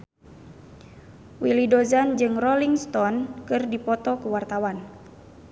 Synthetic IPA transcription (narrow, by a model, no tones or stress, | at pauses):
wilidɔzand͡ʒɨŋrɔliŋst̪ɔnkɨrdipɔt̪ɔkuwart̪awan